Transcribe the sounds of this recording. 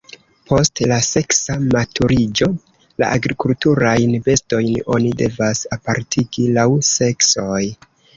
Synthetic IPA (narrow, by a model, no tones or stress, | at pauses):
pʰo̞stlase̞ksamatʰuɾid͡ʒo̞ | la̰ʔaɡɾikultuɾajnbe̞sto̞jno̞̰nide̞vasapaɾtʰiɡilawse̞kso̞j